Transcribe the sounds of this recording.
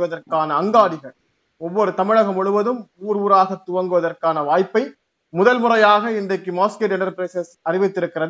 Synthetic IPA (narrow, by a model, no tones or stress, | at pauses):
ʋɐðɐrkaːnɐːŋɡaːɽɪɣɐɭ | ɔʋːɔɾɯt̪ɐmɪɻɐɣɐmɔɻɯʋɐðɯmuːɾuːɾaːɣɐt̪ːʊʋɐŋɡɯʋɐðɐrkaːnɐʋaːjpːɐɪ | mʊðɐlmʊrɐjaːɣɐɪndɐɪkːɯmaːskeːʈɛɳɐɾpɾɐɪsɐsɐrɪʋɪt̪ːɪɾɯkːɪrɐð